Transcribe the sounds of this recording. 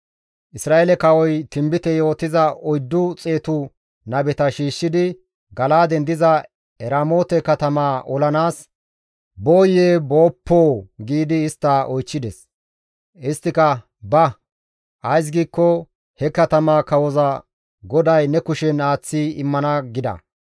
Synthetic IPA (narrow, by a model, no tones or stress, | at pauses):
ʔɪsɾaːʔelɛkɐwɔjt̪ɪmbɪt̪ɛjo̞ːt̪ːɪzɐʔɔjd̪ːʊt͡sʼe̞ːt̪ʊ | nɐbɛt̪ɐʃiːʃːɪd̪ɪ | ɡɐlaːd̪ɛnd̪ɪzɐ | ɛɾaːmo̞ːt̪ɛkɐt̪ɐmaːʔɔlɐnaːs | bo̞ːjeːbo̞ːpʰːoːɡiːd̪ɪːst̪ːaʔɔjt͡ʃːɪd̪ɛs | ɪst̪ːɪkɐ | bɐ | ɐjs̬ɡiːkːɔ | hɛkɐt̪ɐmaːkɐwɔzɐ | ɡɔd̪ɐjnɛkʊʃɛnaːt͡sːiɪmːɐnɐɡɪd̪ɐ̰